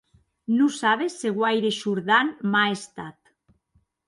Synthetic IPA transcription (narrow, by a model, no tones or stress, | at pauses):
nusaβ̞esːeɣwajɾeʃuɾðanmaest̪at̪